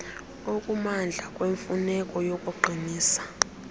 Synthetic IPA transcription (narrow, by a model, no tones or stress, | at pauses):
okʼumand͡ɮʱakʼweɱfunɛkʼɔjokʼuɡ͡ǃʱiniːsḁ